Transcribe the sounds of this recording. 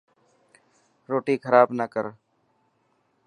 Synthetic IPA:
ɾoːʈiːkʰəɾaːbnəkəɾ

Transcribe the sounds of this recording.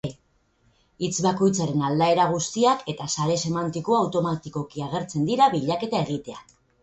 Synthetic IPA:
it͡sβako̞jt͡saɾe̞nald̪ae̞ɾaɣ̞ust̪iake̞t̪asaɾe̞se̞mant̪iko̞awt̪o̞mat̪iko̞kiaɣe̞ɾt͡se̞nd̪iɾaβiʎake̞t̪ae̞ɣ̞it̪e̞ak

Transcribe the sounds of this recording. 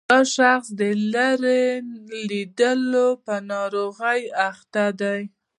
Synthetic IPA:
ɑʃaxsd̪əlaɾelid̪əlopənɑɾoɣəjaxt̪ad̪aj

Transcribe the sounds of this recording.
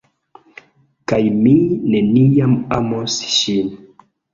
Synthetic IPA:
kajmine̞niamamosʃin

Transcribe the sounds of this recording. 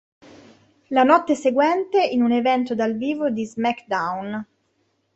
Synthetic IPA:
lanɔt̪ːeseɡwɛnt̪einunevɛnt̪od̪alviːvod̪izmakd̪awn

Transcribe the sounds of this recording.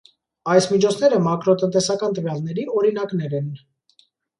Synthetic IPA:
ɑjsmit͡ʃʰɔt͡sʰn̪ɛɾəmɑkɾɔt̪ənt̪ɛsɑkɑnt̪əvjɑlnɛɾiɔɾinɑknɛɾɛn

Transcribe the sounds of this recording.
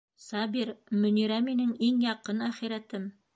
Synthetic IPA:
sɑbiɾmɵ̆niɾæminɘŋiŋjɑqɤnæχiɾæt̪ɘm

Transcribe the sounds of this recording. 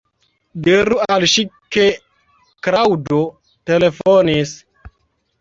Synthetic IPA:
diɾualʃike | kɾawdo | telefonis

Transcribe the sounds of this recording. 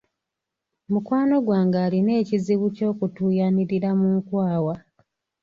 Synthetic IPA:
mukwaːno̞ɡwaːŋɡaːline̞ːciziβuco̞ːkutuːjaniɾiɾamuŋkwaːwa

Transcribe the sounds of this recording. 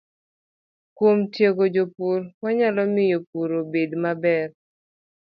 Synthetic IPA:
kwomtjeɡod͡ʒopuɾwaɲalɔmɪjopuɾobedmabɛr

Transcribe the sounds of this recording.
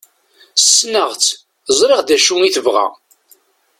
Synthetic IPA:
sə̥sːnəʁt͡sː | zˤɾeʁd̪æʃuŋiθəvʁæ̰

